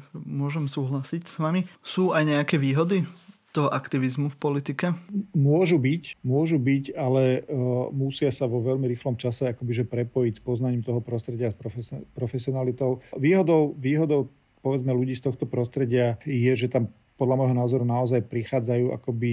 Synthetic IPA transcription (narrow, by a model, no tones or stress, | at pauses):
mʊɔʒɛmsuːɦlasicsʋamisuːajɲɛakɛːʋiːɦɔd̪it̪ɔɦɔʔakt̪iʋizmufpɔlit̪ikɛmʊɔʒubicmʊɔʒubicalɛmusɪasaʋɔʋɛʎmiɾiːxlɔmt͡ʃasɛakɔbiʒɛpɾɛpɔjicspɔznaɲiːmt̪ɔɦɔpɾɔst̪ɾɛɟɪaspɾɔfɛpɾɔfɛsiɔnalit̪ɔʊʋiːɦɔd̪ɔʊʋiːɦɔd̪ɔʊ | pɔʋɛd͡zmɛluɟiːst̪ɔxt̪ɔpɾɔst̪ɾɛɟɪajɛʒɛt̪am | pɔd̪lamɔjɦɔnaːzɔɾunaɔzajpɾixaːd͡zajuːʔa̰kɔbi